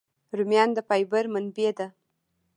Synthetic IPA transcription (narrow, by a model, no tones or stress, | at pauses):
ɾumjɑnd̪əpajbəɾmanbed̪a